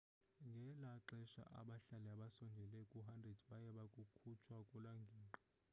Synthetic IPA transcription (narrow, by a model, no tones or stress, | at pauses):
ŋɡʱɛlaǁɛʃa̰ʔa̰ɓaɬalɛaɓasɔnd͡ʒʱɛlɛkʼuɦandrɛdɓajɛɓakʼukʰut͡ʃʰwakʼulaŋɡʱiːŋ͡ǃɔ